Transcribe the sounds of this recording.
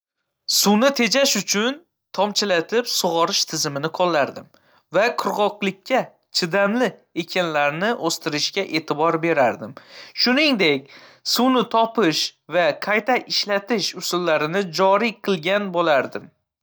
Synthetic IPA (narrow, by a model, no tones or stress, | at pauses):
sunɪt̪ʰe̞d͡ʒaʃʊt͡ʃʰʊn | t̪ʰɒmt͡ʃʰɪlat̪ʰɪpsʊʁɒɾɪʃt̪ʰɪzɪmɪnɪqʰɒlˠːaɾd̪ɪm | vaqʰʊɾʁɒqlˠɪkʲʰːa | t͡ʃʰɪd̪amlɪekʲʰanlaɾnɪʔost̪ʰɪɾɪʃkʲaʔe̞ːt̪ʰɪbɒɾbe̞ɾaɾd̪ɪmʃʊnɪŋd̪e̞k̚ʲsuwnɪt̪ʰɒpɪʃvaqʰajt̪ʰaʔɪʃlat̪ɪʃʊsʊlːaɾɪnɪd͡ʒɒɾiqʰɨlˠɡʲanbolaɾd̪ɪm